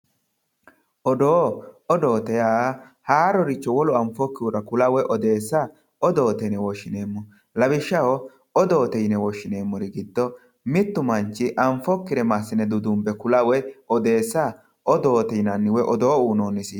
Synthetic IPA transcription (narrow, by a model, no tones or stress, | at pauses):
ʔɔd̪oːɔd̪oːt̪ɛjaː | haːɾɔɾɪt͡ʃːɔwɔlɔɐɱfɔkːɪʊɾɐkʊlɐwɛʔɔd̪e̞ːsːa | ɔd̪oːt̪ɛjnɛwɔʃːɪneːmːɔ | lɐbɪʃːɐwɔ | ɔd̪oːt̪ɛjnɛwɔʃɪne̞ːmːɔɾɪɡɪd̪ːɔ | mɪt̪ːʊmɐnt͡ʃːɪʔɐɱfɔkːɪɾɛmasːɪnɛd̪ʊd̪ʊmbɛkʊlɐwɛɔd̪e̞ːsːa | ʔɔd̪oːt̪ɛjnɐnːɪwɛʔɔd̪oːuːnoːnːɪsi